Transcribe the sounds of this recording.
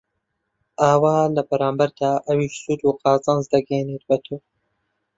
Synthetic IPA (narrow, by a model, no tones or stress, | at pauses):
ʔaːwaːlɐbɐɾaːmbɐɾd̪aːʔɐwiːʃsuːt̪uːqɑːzɐnzd̪ɐɡɛjnet̪̚bɐt̪ʰoː